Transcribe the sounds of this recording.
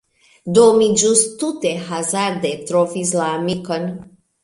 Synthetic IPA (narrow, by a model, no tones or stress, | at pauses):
d̪omid͡ʒust̪ːut̪eɦazaɾd̪et̪ɾofislamikən